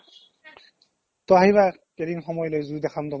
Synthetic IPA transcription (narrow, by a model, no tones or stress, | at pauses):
t̪ɔaɦijβa | keliŋxɔmɔjlojzud̪ɛxʰamt̪ɔ